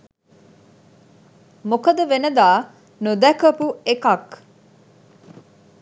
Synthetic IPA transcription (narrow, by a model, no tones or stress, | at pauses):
mokɐd̪ɐʋenɐd̪aː | nud̪ækɐpuekɐk